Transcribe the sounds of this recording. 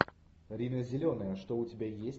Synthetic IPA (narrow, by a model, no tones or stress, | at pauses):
ɾʲinəzʲɪlʲonəjəʂt̪oʊtʲɪbʲajesʲ